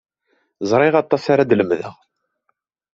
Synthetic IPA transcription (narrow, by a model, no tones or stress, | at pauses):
zˤɾˤɪʁɑt̪ˤːɑsaɾad̪ləmðə̰ʁ